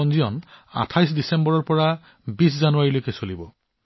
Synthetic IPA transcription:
ɔnzijɔna̰tʰajsdisɛmbɔɹɔɹpɔɹa | bis̬zanuaɹilojkɛsolibɔ

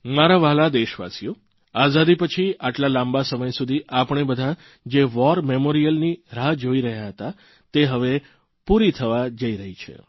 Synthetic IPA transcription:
maɾaʋalad̪eʃʋa̰sijo | azad̪ipət͡ʃʰiaʈlalãmbasəməjsud̪ʱiʔapəɳ̃ebəd̪ʱa | d͡ʒeʋɔɾmemoɾijəlniɾad͡ʒoiɾəɦjaɦət̪a | t̪eɦəʋe | puɾit̪ʰəʋad͡ʒəiɾəɦit͡ʃʰḛ

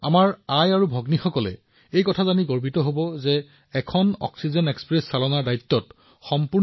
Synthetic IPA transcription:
amaɹajaɹubʱɔɡnixɔkɔlɛ̰ | ejkɔtʰazaniɡoɹbitɔɦobɔzɛː | kʰɔnɔ̰ksizɛnɛkspɹɛsːalɔnaɹdajt̪ːɔt | xɔmpuɹ

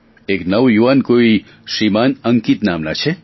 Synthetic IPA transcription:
eknɐwjuankui | ʂimanɐŋkit̪na̰ːmna̰t͡ʃʰe

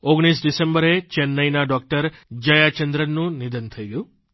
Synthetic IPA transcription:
oɡɽ̃isɖisẽmbəɾet͡ʃɛnːəjnaɖɔk̚ʈəɾd͡ʒəjat͡ʃənd̪ɾənːũnid̪ənt̪ʰəiɡəjũ

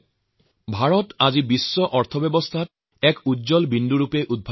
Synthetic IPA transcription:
bʱaɹɔtazibisːɔʔɔɹt̪ʰɔbɛbɔst̪ʰat | ɛkudzɔlbinduɹupeʔud̪̚bʱa

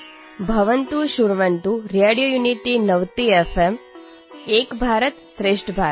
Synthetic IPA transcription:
bʱɐʋənt̪uʃuɾʋəɳt̪uɾeɽijojuniʈinəʋt̪iefʰem | eːkbʱaːɾət̪sɾeːʂʈʰəbʱaːɾ

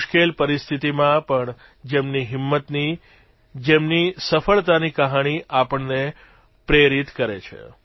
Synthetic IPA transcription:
ʃkelpəɾist̪ʰit̪imãpəɳ | d͡ʒemniɦɪmːət̪ni | d͡ʒemnisəfəɭt̪anikəɦaɽ̃iʔapəɳne | pɾeɾit̪kəɾḛt͡ʃʰḛ

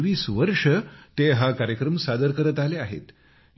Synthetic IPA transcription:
ʋiːsʋəɾʂət̪eɦakaɾjəkɾəmsad̪əɾkəɾət̪aleaɦḛt̪

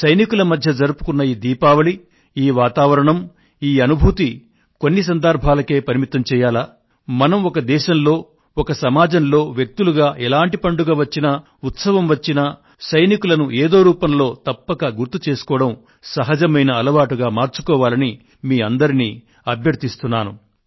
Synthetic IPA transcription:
sɐjnikulɐmɐd̪ʱjɐd͡ʒɐɾupu̥kunːɐjiːd̪iːpaːʋɐɭi | iːʋaːt̪aːʋɐɾɐɳɐm | iːɐnubʱuːt̪i | ko̞nːis̬ɐnd̪ɐɾbʱaːlɐke̞ːpɐɾimit̪ːɐmt͡ʃɛːjaːlaː | mɐnɐmɔkɐd̪ɛːʃɐmlo̞ː | ɔkɐsɐmaːd͡ʒɐnlo̞ːʋjek̚t̪uluɡaːʔɛlaːɳʈipɐɳɖuɡaːʋɐt͡ʃːinɐ | ut̪sɐʋɐmʋɐt͡ʃːinɐ | sɐjnikulɐnuʔeːd̪o̞ːɾuːpɐmlo̞ːt̪ɐpːɐkɐɡuɾt̪ut͡ʃe̞ːsu̥kɔːɐɽɐm | sɐɦɐd͡ʒɐmɐjnɐːlɐʋaːʈuɡaːmaːɾt͡ʃu̥kɔːʋaːlɐni | miːɐnd̪ɐɾiniː | ɐbʱjɐɾt̪ist̪unːaːnu

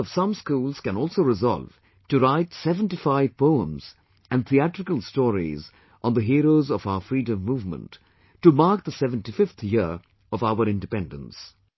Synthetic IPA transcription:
ɔv̥sʌ̃mskuːlˠz̥kɨ̃nɔlˠsoʊɾɪzɑ̰lˠv̥ | tuɾaɪtsɛvə̃ntifaɪv̥poʊə̰̃mz̥ | æ̃nt̪ʰiæʈɾɨkəlˠstɔːɾḭz | ʔɔ̃nd̪əɦiːɾoʊzɔvaʊəfɹiːdə̃mːuːvmə̰̃ntː | umaɾk̚d̪əsɛvə̃ntifɪft̪ʰjɪɾ | ʌvaʊəɾɪ̃ndɨpɛ̃ndə̰̃ns

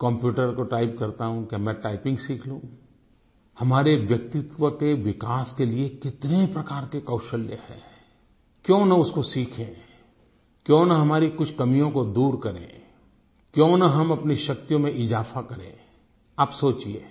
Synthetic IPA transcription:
kɔ̃mpjuːʈəɾkoʈaːɪp̚kɐɾt̪aɦũkjamɛ̃ʈaːɪpɪ̃ŋɡsiːkʰlũː | hɐmaːɾeʋjɐk̚t̪ɪt̪wəkeʋɪkaːskeliekɪt̪nepɾɐkaːɾkekɐːʃəljə̰hɛ̰ː | kjõːnɐʊskosiːkʰḛ̃ | kjõːnɐɦɐmaːɾikʊt͡ʃʰkɐmijõkod̪uːɾkɐɾḛ̃ː | kjõːnɐɦɐmɐpniʃɐk̚t̪ijõmẽʔɪzaːfakɐɾḛ̃ː | aːpsoːt͡ʃieː

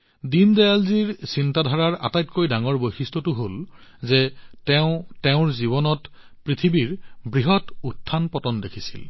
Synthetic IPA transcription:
dindajalziɹsintadʱaɹaɹʔa̰tajtkojdaŋɔɹbojxistɔtʊɦol | zɛtɛʊ̃tɛʊ̃ɹziβɔnɔt | pɹit̪ʰibiɹbɹiɦɔtutʰːanpɔtɔndekʰisḭl

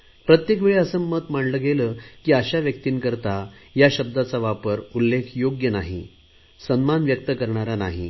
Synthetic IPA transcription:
pɾət̪jekʋeɭiəsəmət̪maɳləɡeləkiːaɕaʋjək̚t̪iːnkəɾt̪ajaɕəb̚d̪at͡saʋapəɾulːekʰjoɡjənaɦḭ | sənmanʋjək̚t̪əkəɾɳaɾanaɦḭ

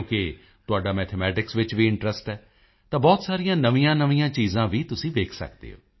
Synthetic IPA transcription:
kɪ | t̪ʊaːɖaːmɛːt̪ʰɛmɛːʈɪksʋɪt͡ʃʋiːɪɳʈɾəsʈɛː | t̪ãːbɔːt̪saːɾijãːnəʋĩjãːnəʋĩjãːt͡ʃiːzãːʋiːt̪ʊsĩːʋeːkʰsə̰kd̪ḛːɦo̰ː

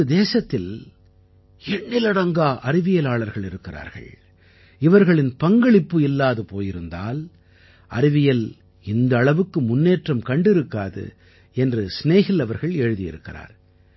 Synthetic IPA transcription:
ɐd̪eːsɐt̪ːɪl | ɛɳːɪlɐɽɐŋɡaːʔɐɾɪʋɪjɐlaːɭɐɾɣɐɭɪɾɯkːɪra̰ːɾɣɐ̰ɭ | ɪʋɐɾɣɐɭɪnpɐŋɡɐɭɪpːɯɪlːaːðɯpoːjɪɾɯnd̪a̰ːl | ʔɐ̰ɾɪʋɪjɐl | ɪnd̪ɐːɭɐʋɯkːɯmʊnːeːʈrɐmkɐɳɖɪɾɯkːaːðɯ̰ | ɛndrɯsneːɣɪlːɐʋɐɾɣɐɭeːɻɯðɪjɪ̰ɾɯkːɪra̰ːɾ

